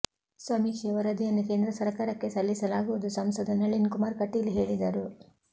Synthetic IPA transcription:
sʋɐmiːkʂɐʋɐɾɐd̪ijɐnːuke̞ːnd̪ɾɐsɐɾkaːɾɐkːe̞sɐlːisɐlaːɡuʋɐd̪usɐmsɐd̪ɐnɐɭinkumaːɾkɐʈːiliɦe̞ːɭid̪ɐɾu

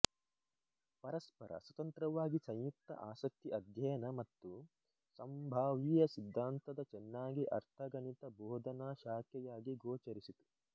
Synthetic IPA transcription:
pɐɾɐspɐɾʔɐ̰swɐt̪ɐnt̪ɾɐʋaːɡisɐ̃jjuk̚t̪ːɐ̰ʔaːsɐk̚t̪iʔɐd̪ʱjɐjɐnɐmɐt̪ːu | sɐmbʱaːʋiːjɐsid̪ʱːaːnt̪ɐd̪ɐt͡ʃɛnːaːɡiʔɐ̰ɾt̪ʰɐɡɐnit̪ɐbʱɔːd̪ʱɐnaːʃaːkjɐjaːɡiɡoːt͡ʃɐɾisit̪u̥

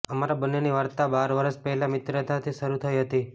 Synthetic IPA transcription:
əmaɾabənːeniʋaɾt̪abaɾʋəɾəʃpəɦɛlamɪt̪ɾət̪at̪ʰiʃəɾut̪ʰəiɦət̪i

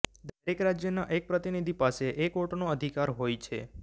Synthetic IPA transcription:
d̪ʱəɾekɾad͡ʒjənaʔek̚pɾət̪inid̪ʱipaseʔekoʈnoəd̪ʱikaɾɦojt͡ʃʰe

